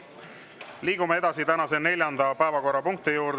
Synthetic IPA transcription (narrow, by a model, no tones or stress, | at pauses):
liːɡ̥umeed̪ɑsit̪ænɑse̞ne̞lʲjɑnd̪ɑpæevɑko̞rːɑpuŋk̚t̪ijuːɾd̪